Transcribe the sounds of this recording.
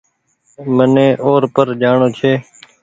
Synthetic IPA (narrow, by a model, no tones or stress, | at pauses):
mənẽːʔoːɾpəɾd͡ʒaːɳoːt͡ʃʰeː